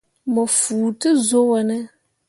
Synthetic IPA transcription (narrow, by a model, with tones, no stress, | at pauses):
mɔ˨fuː˨tɨ˦zo˦wə˨nə˦